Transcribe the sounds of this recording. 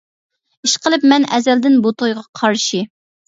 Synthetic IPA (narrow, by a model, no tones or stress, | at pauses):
iʃqʰəlˠɨpmɛnɛzɛld̪ɪnbut̪ʰojʁɑqʰɑɾʃi